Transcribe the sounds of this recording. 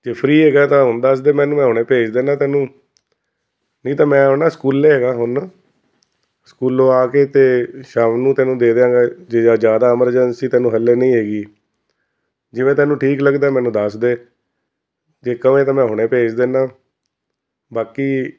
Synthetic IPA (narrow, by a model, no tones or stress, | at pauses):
d͡ʒeːpʰɾiːɦeːɡaːt̪ãːɦʊnd̪asd̪eːmɛ̃ːnuːmɛ̃ːɦʊɽ̃ẽːpeːd͡ʒd̪eːnaːt̪ɛːnũː | nə̃ĩːt̪ãːmɛ̃ːonaːskuːlːeːɦeːɡaːɦʊn | skuːloːaːkeːt̪eːʃaːmnũːt̪ɛːnũːd̪eːd̪eːãːŋɡaːd͡ʒeːad͡ʒjaːd̪aːəməɾd͡ʒənsiːt̪ɛ̃ːnũːɦəlːeːnəĩːɦeːɡiː | d͡ʒɪʋẽːt̪ɛ̃ːnũːʈʰiːkləɡd̪aːmɛ̃ːnũːd̪əsd̪eː | d͡ʒeːkəʋẽːt̪ãːmɛ̃ːɦʊɽ̃ẽːpeːd͡ʒd̪eːnaː | baːkiː